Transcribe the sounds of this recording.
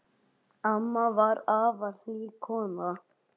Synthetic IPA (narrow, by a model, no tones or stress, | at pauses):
amːavaɾaːvaθikʰɔːna